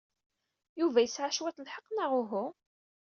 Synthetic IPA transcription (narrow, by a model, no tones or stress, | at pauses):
juvæjəsʕaʃwæθlħəqːnaʁʊɦʊ